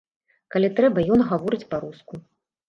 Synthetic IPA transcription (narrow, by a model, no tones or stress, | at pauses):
kalʲit̪ɾɛbɐjɔnɣavɔɾɨt͡sʲpɐɾusku